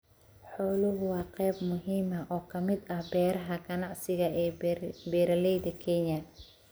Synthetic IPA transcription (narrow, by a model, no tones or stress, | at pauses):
ħɔːlʊɣʊwɑːqɛːbmʊɦiːmɐʔɔːkʰɐmɪd̪ɐhbɛːɾɐɦɐɡɐnɑʕsɪɣɐɛːbɛːɾɐlɛjd̪ɐkʰɛɲɐ